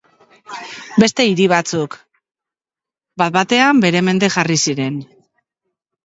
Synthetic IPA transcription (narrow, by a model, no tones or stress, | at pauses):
be̞st̪e̞iɾiβ̞at͡suk | bat̪bat̪e̞ambe̞ɾe̞me̞nd̪e̞ʝarisiɾe̞n